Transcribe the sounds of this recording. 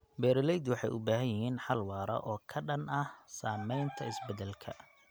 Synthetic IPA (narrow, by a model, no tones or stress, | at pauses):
bɛːɾɪlɛjd̪wɑħɑ̰jʊbaːɦɐjɪɦiːnħɑlwɑːɾɐ̰ʔɔːkʰɐɖɐnɐhsaːmɛjnt̪ʰɐɪsbɛðɛlkʰɐ̰